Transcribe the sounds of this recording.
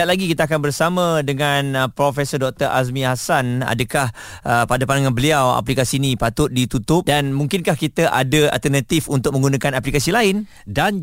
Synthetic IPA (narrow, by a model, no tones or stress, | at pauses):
at̪̚laɡikit̪aakanbərsamãdəŋanəpɾofesədɔk̚t̪əɾa̰s̬mĩɦasana̰dəkahəpadapandaŋãnbəliawa̰plikasiːnĩpat̪ʊt̪̚dit̪ut̪ʊp̚danmũŋkɪnkahkit̪aʔa̰dəa̰lt̪ərnat̪ifunt̪ʊk̚mə̃ŋɡunãkanaplikasilaɪn | dan